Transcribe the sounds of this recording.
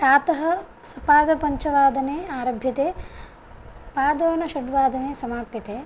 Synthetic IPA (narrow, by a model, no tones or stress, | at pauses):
aːt̪ɐɦɐ | sɐpaːd̪ɐpɐɲt͡ʃɐʋaːd̪ɐneːaːɾɐbʱjɐt̪eː | paːd̪oːnɐʃɐɖʋaːd̪ɐneːsɐmaːpjɐt̪eː